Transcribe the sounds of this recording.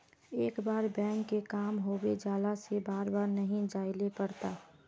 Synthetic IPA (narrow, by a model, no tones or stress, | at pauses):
eːkbaːɾbɛ̃ːŋkːekaːmɦoːbed͡ʒaːlasebaːɾbaːɾnɐɦĩd͡ʒaːɪlepəɾt̪aː